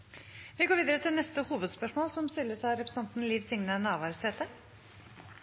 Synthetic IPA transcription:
ʋɪɡoːɾʋiːd̪əɾət̪ʰɪlnɛst̪əhuːʋəd̪spœʂmoːlsɔmst̪ɪlːəʂæɾɛpɾəsɛnt̪n̩liːʋsɪŋnənɑːʋɑɾseːt̪ə

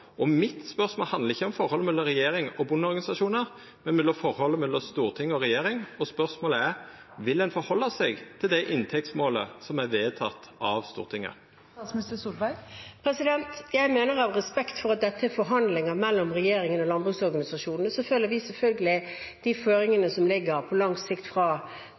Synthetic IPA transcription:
ɔmɪt̪spœʁsmoːlhɑnd̪əʁɪçːəɔmfɔɾɔlːəmɛlːɔmɾɛjeːɾɪŋɔbʊnːəɔɾɡɑnɪsɑʂuːnəɾ | mɛnmɛlːɔfɔɾhɔlːəmɛlːɔst̪uːʁt̪ʰɪŋːəɔɾɛjeːɾɪŋɔspœɾʂmoːləæɾ | ʋɪld̪ɛnfɔɾhɔlːɑsɛɡt̪ʰɪld̪ɛʔɪnt̪ʰɛk̚t̪smoːləsɔmæɾʋeːt̪ʰɑt̪ːɑʋst̪ṵːʁt̪ʰɪŋːə̰ɾ | ɑt̪smɪst̪əsuːlbæpʰɾɛsɪd̪ɛnt̪jæɪmeːnəɾɑʋʁɛspɛkt̪fɔɾɑt̪̚d̪ɛt̪ʰːəɛfɔɾɦɑnd̪lɪŋəmɛlːɔmʁɛjeːɾɪŋənɔlɑnbɾʉːsɔɾɡɑnɪsɑʂuːnn̩əsɔføːləɾʋɪsɛlfœlɡəlɪ | d̪̥iføːɾɪŋənəsɔmlɪɡːəɾpʰɔlɑŋsɪkt̪fɾɑ

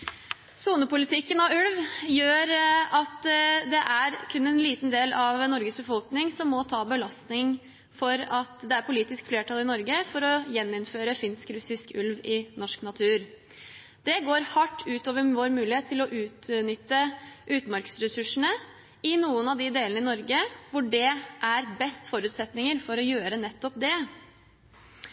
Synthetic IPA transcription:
suːnəpʊlɪt̪ʰɪkːənɑʉlʋjøːɾɑt̪d̪ɛʔæɾkʰʉnːɛnliːt̪nd̪eːlɑʋnɔɾɡəsbəfɔlknɪŋsɔmːɔt̪ʰɑːbəlɑst̪nɪŋ | fɔɾɑt̪d̪ɛæɾpʰʊliːt̪ɪskfleːʈʰɑlɪnɔɾɡəfɔɾɔjɛnːɪnføːɾəfɪnskɾʉsɪskʉlʋɪnɔʂknɑt̪ʰʉːɾ | d̪̥ɛɡoːɾhɑʈːʉːt̪oːʋəɾʋoːɾmʉːlɪheːt̪ʰːɪlɔʔʉːt̪nʏt̪ːəʔʉːt̪nmɑɾksɾɛsʉʂəɳə | ɪnuːənɑʋd̪ɪd̪eːlənəɪnɔɾɡəʋʊɖɛʔæɾbɛst̪fɔɾʉːt̪sɛt̪nɪŋəɾfɔɾɔjøːɾənɛt̪ːɔpd̪ɛ

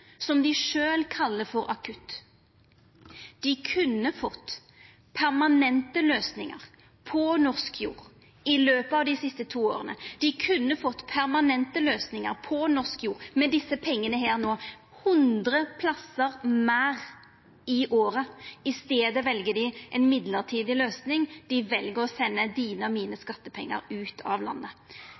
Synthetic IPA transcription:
sɔmd̪ɪʂøːlkʰɑlːəfɔɾʔɑkʰʉt̪ː | d̪̥ɪkʰʉnːəfɔt̪ː | pʰæʁmɑnɛnt̪əløːsnɪŋə̰ʁ | pʰɔnɔʁskjṵːʁ | ɪløːpəɑːʋd̪ɪsɪst̪ət̪ʰuːo̰ːʁənə̰d̪̥ɪkʰʉnːəfɔt̪ːpʰæʁmɑnɛnt̪əløːsnɪŋəʁpʰɔnɔʁskjuːʁmɛd̪ɪsːəpʰɛŋːənəɦeːʁnoː | hʉnd̪ʁəpʰlɑsəʁmæːʁ | ɪʔoːɾəɪst̪eːd̪əʋɛlɡəd̪ɪʔɛnmɪd̪ləʁt̪ʰiːd̪ɪløːsnɪŋd̪̥ɪʋɛlɡəʁɔsɛnːəd̪iːnəɔmiːnəskɑt̪ːəpʰɛ̰ŋːə̰ɾʉːt̪ʰɑ̰ʋlɑ̰nːə

